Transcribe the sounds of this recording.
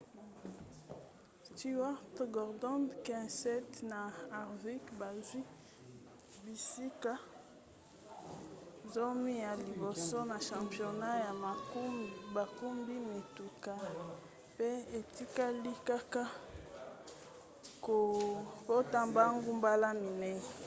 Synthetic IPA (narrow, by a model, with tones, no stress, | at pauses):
sti˦˨˦a˦ʁtɡɔ˨ʁdɔ˦ndkɛ̃˦˨sɛ˦tna˨a˨ʁvi˦kba˨zwi˦ | bi˨si˦ka˦ | zo˦mi˦ja˨li˨bo˨so˦na˨ʃã˨pjo˨na˦ja˨˦ | ba˨ku˦mbi˦me˨tu˨ka˨ | pe˦e˨ti˦ka˦li˦ka˦ka˦ | ko˨bo˦ta˦mba˦ŋɡu˦mba˦la˦mi˨nɛ˦˨